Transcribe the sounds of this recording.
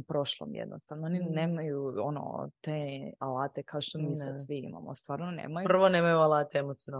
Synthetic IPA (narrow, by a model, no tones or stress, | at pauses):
pɾo̞ʃlˠo̰mjḛd̪nʔost̪aʋnoonineːmajuono̰t̪ealaːt̪ekʰaoʃt̪omiːsasʋiḭma̰most̪ʋaːɾnonḛːmajr̩ʋoneːmajualˠaːt̪eemot̪siona